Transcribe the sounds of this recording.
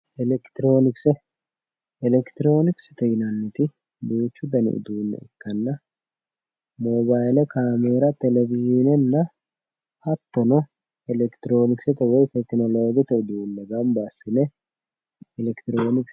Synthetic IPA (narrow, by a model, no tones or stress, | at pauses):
ɛlɛkt̪ɪɾo̞ːnɪksɛ | ɛlɛkt̪ɪɾo̞ːnɪksɪ̥t̪ɛjɪnɐnːɪt̪ɪ | beːt͡ʃːʊd̪ɐnɪ̰ʔɪ̰d̪uːnːɛ̰ɪ̰kːɐnːɐ | moːbaːjlɛkʰaːmeːɾɐt̪ɛlɛvɪʒɪnɛnːɐ | hɐt̪ːɔnɔ | ɛlɛkt̪ɪɾo̞ːnɪksɛt̪ɛwɔjt̪ɛknɔloːɡɪt̪ɛʊd̪uʊlːɐɡɐmbasːɪnɛ | ɛlɛkt̪ɪɾo̞ːnɪks